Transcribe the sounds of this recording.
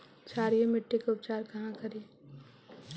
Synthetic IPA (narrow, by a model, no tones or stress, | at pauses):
t͡ʃaːɾijemɪʈːekeʊp̚t͡ʃaːɾkɐɦãkʰɐɾi